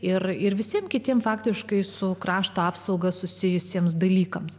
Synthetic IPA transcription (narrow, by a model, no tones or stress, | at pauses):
ɪrɪɾʋʲɪsʲiɛmkʲɪt̪ʲiɛmfɑːkt̪ʲɪʃkɐɪsʊkɾɑːʃt̪oːɑːpsɐʊɡɐsʊsʲɪjʊsʲiɛmsd̪ɐlʲiːkɐms